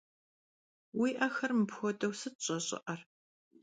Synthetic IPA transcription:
wiːʔɐxɐrmɨpxʷɔdɐwsɨɕʼɐɕʼɪ̰ʔɐr

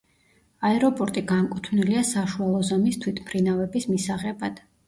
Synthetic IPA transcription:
aɛɾɔpʼɔɾt̪ʼiɡankʼut̪ʰvniliasaʃualˠɔzamist̪ʰwit̪ʰpʰɾinavɛbismisaʁɛbad̪̥

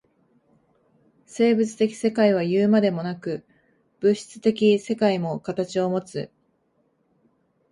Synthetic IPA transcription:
se̞ːbɯ̟t͡sɨ̥t̪e̞kʲi̥se̞kaiβ̞ajɯːmad̪e̞mo̞nakɯ̟ | b̥ɯ̟ɕi̥t͡sɨ̥t̪e̞kʲise̞kaimo̞kat̪at͡ɕio̞mo̞t͡sɨ

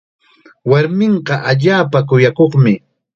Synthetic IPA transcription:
waɾmɪɴɢɑʔaʎaːpak̬ʊjakoχmɪ

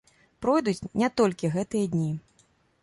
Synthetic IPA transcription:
pɾɔjd̪ut͡sʲnʲat̪ɔlʲkʲiɣɛt̪ɨjɐd̪ʲnʲi

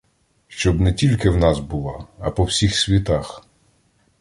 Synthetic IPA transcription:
ʃt͡ʃɔbnɛtʲilʲkɪwnɑsbulˠɑːpɔwsʲixsʲʋʲit̪ɑx

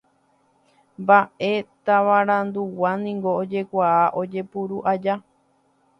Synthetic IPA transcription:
mbaʔe̞t̪aʋaɾãnd̪uwanĩŋɡo̞ːd͡ʒe̞kʷaaʔo̞d͡ʒe̞puɾuʔad͡ʒa

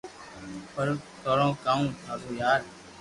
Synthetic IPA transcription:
pəɾt̪oːɾõːkaːũːt̪ʰaːzoːjaːɾ

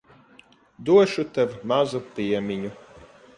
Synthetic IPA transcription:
d̪uɔʃut̪ɛvmazupiɛmʲiɲu

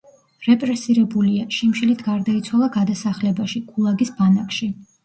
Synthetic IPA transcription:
ɾɛpʼɾɛsiɾɛbuliaʃimʃilit̪ʰɡaɾd̪ait̪sʰwalˠaɡad̪asaχlɛbaʃikʰʼulˠaɡisbanakʃi

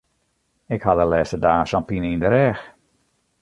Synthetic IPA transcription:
ɪkhadəlɛːstədaːsɔnpinindəɾɛːx

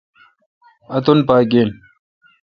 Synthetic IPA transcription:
ɐt̪unpaːɡeːn

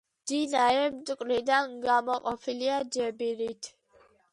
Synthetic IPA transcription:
d̪̥inaɾɛmt̪ʼukʼɾid̪anɡamɔqʼɔpʰiliad͡ʒɛbiɾit̪ʰ

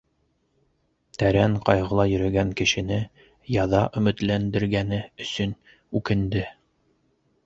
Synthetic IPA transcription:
t̪æɾæɴqɑjʁɤ̆lˠɑjɵ̆ɾæɡæŋkɘ̆ʃɘ̆nɘ | jɑðɑʔɵ̆mɘ̆t̪lænd̪ɘ̆ɾɡænɘɵ̆sɵn | ʉkɘ̆nd̪ɘ

